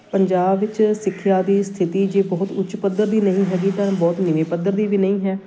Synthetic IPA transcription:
pəɲd͡ʒaːbʋɪt͡ʃsɪkʰːɪjaːd̪iːst̪ʰɪt̪iːd͡ʒeːbɔːt̪ʊt͡ʃʃpəd̪ːəɾd̪iːnəɦĩːɦɛːɡiːt̪əɾbɔːt̪nɪʋẽːpəd̪əɾd̪iːʋiːnəĩːɦɛː

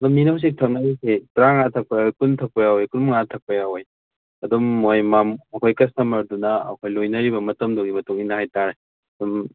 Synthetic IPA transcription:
ɐduminɐuws̬ik̚tʰɐk̚nɐɾisetɾaŋatʰɐk̚pʰɐjawojkuntʰɐk̚pʰojawojkunmŋatʰɐk̚pʰɐjawoj | ɐdumːojmamɐkʰojkɐstɐmɐɾdunɐ̰ːkʰojlojnɐɾibɐmɐtɐmdoɡimɐtuŋinɐhajtaɾe | ɐdum

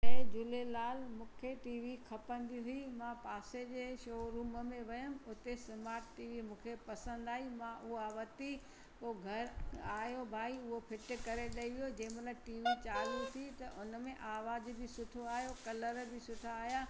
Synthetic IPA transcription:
ɛ̃ːd͡ʑʊlelaːlmũːkʰeʈiːʋikʰɐpə̃nd̪iɦʊimãpaːsed͡ʑeːʃoːɾuːməmẽʋɐjʊmɪ̆ʊt̪esɐmaːɾʈʈiːʋimũːkʰepɐsə̃nd̪aːɦimãʔʊɦoaʋɐt̪i | koːɡʱɐɾaːɦjobʱaːiʊɦopʰɪʈ̆kɐɾeɗɐiʋijod͡ʑɐ̃ːɪ̃mɐləʈiːʋit͡ɕaːlut̪ʰit̪ɐʔʊnəmẽʔaːʋaːzbɪsʊʈʰoaːɦijokɐləɾbɪsʊʈʰaːɦjaː

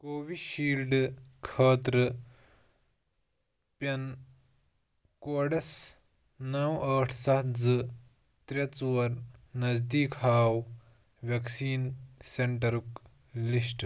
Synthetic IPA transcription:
koːʋiʃiːlɖkʰɐːt̪ɾɨ | pʲɐn | koːɖɐs | nɐwɐːʈʰsɐtd͡zɨ | t̪ɾɐt͡swɐɾnɐzd̪iːkɦaːw | ʋjɐksiːnseɳʈɐɾuk | lisʈ

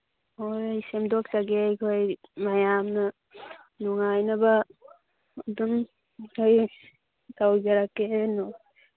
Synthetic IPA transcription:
ojjsemdɔk̚taɡejkʰojmajamnɯ | nuŋajnaba | dum | kʰoj | tawd͡ʒaɾakenɔ

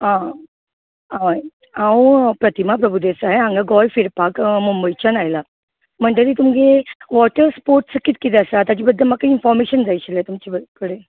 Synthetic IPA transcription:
ɦã | aʋa | ãwupɾət̪imapɾəbʱud̪esaɦeãŋɡaɡɔjfiɾpakmumbəjt͡ɕanajla | m̤əɳʈ̪eɾit̪umɡeʋɔʈəɾspoɾʈsəkit̪kit̪̬eəsat̪at͡ɕibəd̪ʱːəlmakːainfɔɾmeɕənd͡zajɕilet̪umt͡ɕibəkəɽe

